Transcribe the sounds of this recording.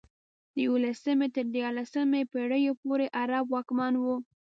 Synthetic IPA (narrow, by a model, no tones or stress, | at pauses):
d̪əjwulasəmet̪əɾd̪jɑɾlasəmepeɽəjopoɾeʔaɾabwɑkmɑnwu